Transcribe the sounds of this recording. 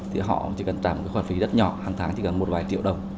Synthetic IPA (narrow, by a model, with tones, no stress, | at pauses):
t̪ʰḭ˨˩ɦɔ̰˧˨t͡ɕi˧˩kə˧˩nt͡ɕaː˧˩mo˨˩ka˨˦xwːfi˨˦zə˦˥t̚ɲɔ̰˧˨haː˨˩ŋt̪ʰaː˨˦ŋt͡ɕʰi˧˩kə˨˩nmo˨˩t̚vaː˨˩jt͡ɕḭ˧˨əwɗə˨˩wŋ͡m